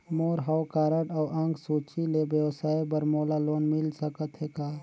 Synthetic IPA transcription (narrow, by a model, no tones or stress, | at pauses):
moːɾɦawkaːɾəʈɔːʔɐ̃ŋɡsuːt͡ʃilebjəwsaːibəɾmoːlaloːnmɪlsəkət̪ɦekaː